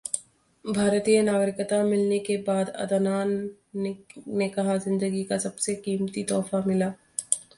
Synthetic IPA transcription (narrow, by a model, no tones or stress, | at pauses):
bʱaːɾt̪ijənaːɡəɾɪkət̪amɪlnekebaːd̪ɐ̰d̪ənaːn | nekɐɦazɪ̃nd̪əɡikasɐbsekiːmt̪it̪ɔːfamɪlaː